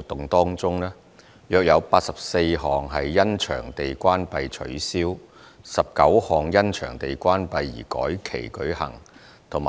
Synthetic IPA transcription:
t̪ːʊ˨ŋt̪ɔː˥ŋt͡sʊ˥ŋlɛː˥ | jœː˧k̚jɐ˨˧wpaː˧t̚sɐ˨p̚se˧jɦɔː˨ŋɦɐ˨jːɐ˥nt͡ʃʰœ̰ː˨˩ŋt̪e˨jkʷaː˥npɐ˨jt͡ʃʰɵ̰˨˥ɥsiː˥w | sɐ˨p̚kɐ˨˥whɔː˨ŋjɐ˥nt͡ʃʰœː˨˩ŋt̪e˨jkʷaː˥npɐ˧jːḭː˨˩kɔ̰ː˨˥jkʰe˨˩jkɵ˨˥ɥhɐ̰˨˩ŋ | t̪ʰʊ˨˩m˨

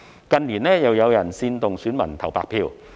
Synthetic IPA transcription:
kɐ˨nliː˨˩nlɛː˥jɐ˨wjɐ˨˧wjɐ˨˩nsiː˧nt̪ʊ˨ŋsyː˨˥nmɐ˨˩nt̪ʰɐ˨˩wpa̰ː˧k̚pʰiː˧w

